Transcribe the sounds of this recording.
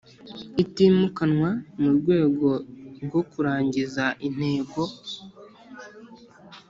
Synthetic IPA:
itimukanwamuɾɡwe̞ːɡo̞ɾɡo̞kuɾaːɲɟizaʔin̥he̞ːɡo̞

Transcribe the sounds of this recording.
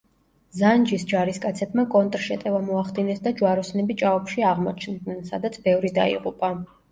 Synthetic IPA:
zand͡ʒisd͡ʒaɾiskʼat̪sʰɛbmakʼɔnt̪ʼɾʃɛt̪ʼɛvamɔaχd̪inɛsd̪ad͡ʒwaɾɔsnɛbit͡ʃʼaɔpʃiaʁmɔ̰t͡ʃʰnd̪nɛnsa̰d̪at̪sʰbɛvɾid̪a̰ḭʁʼupʼa

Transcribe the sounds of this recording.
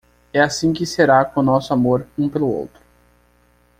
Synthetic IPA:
ɛasĩkɪseɾakõnɔsʊamoɾũpelʊo̰wt̪ɾʊ

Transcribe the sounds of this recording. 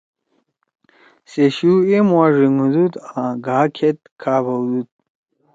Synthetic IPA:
seɕuemwaʐiŋud̪ut̪ãɡaːkʰet̪̚kʰaːbɐwd̪ut̪̚

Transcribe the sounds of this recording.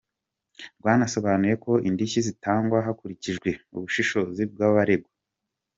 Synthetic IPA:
ɾɡwaːnaso̞βanuje̞ko̞indiçizitaːŋɡwaɦakuɾiciʒɡwe̞ṵβuʃiʃo̞zib̚ɡaːβaɾe̞ɡwa

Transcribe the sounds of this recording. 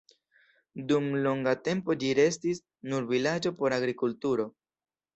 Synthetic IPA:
dumlo̞ŋɡate̞mpo̞d͡ʒiɾe̞stis | nuɾvilad͡ʒo̞po̞ɾaɡɾikultuɾo̞

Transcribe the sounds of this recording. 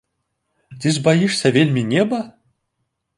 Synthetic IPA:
t̪ʲizbajiʂsʲɐvʲelʲmʲinʲebɐ

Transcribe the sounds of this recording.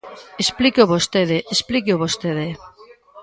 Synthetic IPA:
esplikoβost̪eðeʔesplik̬eoβost̪eðe

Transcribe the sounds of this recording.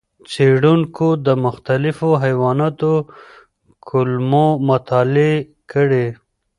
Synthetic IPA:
t͡seɽuŋkod̪əmʊxt̪alɪfoɦajwɑnɑt̪o | kʰʊlmomʊt̪ʰɑle | kəɽe

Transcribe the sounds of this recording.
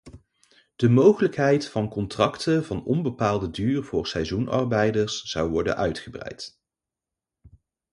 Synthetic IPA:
d̥əmowχələkɦɛjtfɑnkɔntrɑktəvɑnɔnbəpaːlˠdədyːrv̥ʊːɹsɛjzunʔɑ̰ɹbɛjdəɹsːɑwʋɔɹdə̰nʔœɥtχəbrɛ̰jt

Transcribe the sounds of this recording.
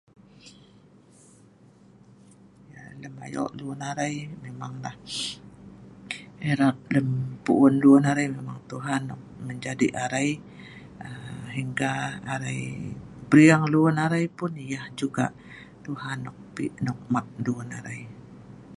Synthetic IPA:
jaləma̰jɔ̰ʔluɔnaɾajmemaŋlah | eɾak̚ləmpuʔʊnluɔnaɾajmemaŋt̪uɦanːɔ̰k̚məɲd͡ʒadiʔaɾaj | əɦiŋɡaaɾajbɾiaŋluənaɾajpʊnijahd͡ʒuɡa̰ʔ | t̪uhanɔk̚piʔnɔk̚mat̪̚luənaɾaj

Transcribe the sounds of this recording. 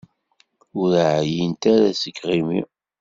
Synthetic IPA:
ʊɾʕjint̪aɾæsəkːʁimḭ

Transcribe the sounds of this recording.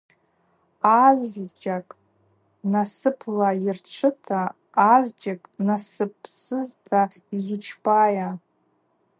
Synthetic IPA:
azd͡ʒakʼ | nasɨpʰlairʈ͡ʂʰɨtʰaː | zd͡ʒakʼnasɨpʰsɨztʰa | izut͡ʃʰbaja

